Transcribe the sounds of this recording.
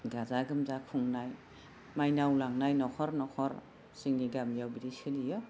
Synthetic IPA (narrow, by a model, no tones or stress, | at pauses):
ɡazaɡɯmzakʰuŋnaj | majnawlaŋnajnɔkʰɔɾnɔkʰɔɾ | siŋniɡamjawbiɾisɯlijɯ